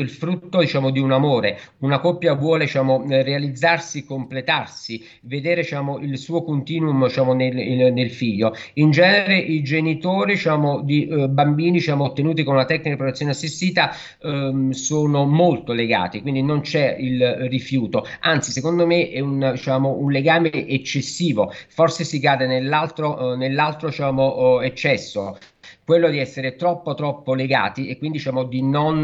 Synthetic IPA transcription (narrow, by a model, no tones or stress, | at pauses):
ilfɾut̪ːod̪it͡ʃaːmod̪iunamoːɾeunakɔpːjavwɔːled̪it͡ʃaːmorealid̪zːarsiekːomplet̪arsi | ved̪eːɾed̪it͡ʃaːmoʔilsuːokont̪iːnumd̪it͡ʃaːmonelnelfiʎːoind͡ʒɛːneɾeʔid͡ʒenit̪oːɾid̪it͡ʃaːmod̪ibambiːnid̪it͡ʃaːmot̪ːenuːt̪̬ikonunat̪ɛkːnikad̪ipɾot̪et̪sjoːneasːist̪iːt̪a | soːnomolt̪oleɡa̰ːt̪ikwind̪inont͡ʃɛilrifjuːt̪oant̪sisekond̪omeʔɛund̪it͡ʃaːmounleɡaːmeʔet͡ʃːesːiːvoforsesikaːd̪enelːalt̪ɾonelːalt̪ɾot͡ʃaːmoet͡ʃːɛsːo̰ | kwelːod̪iɛsːeɾet̪ɾɔpːot̪ɾɔpːoleɡa̰ːt̪iekwind̪idit͡ʃaːmod̪inon